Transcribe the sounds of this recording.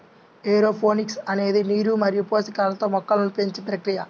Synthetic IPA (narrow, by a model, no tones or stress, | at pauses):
eːɾoːpʰoːniksɐne̞ːd̪iniːɾumɐɾijupoːsikaːlɐt̪oːmɔkːɐlunpeɲt͡ʃipɾɐkɾijɐ